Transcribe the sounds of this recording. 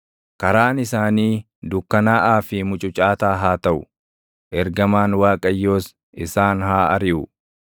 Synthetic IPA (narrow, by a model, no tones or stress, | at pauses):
kɐɾaːnɪsaːniː | d̪ʊkːɐnaːʔaːfɪmʊt͡ʃʼʊt͡ʃʼaːt̪aːɦaːt̪ɐʔʊ | ʔɛɾɡɐmaːnwaːkʼɐjːo̞ːs | ʔɪsaːnhaːɐɾɪʔʊ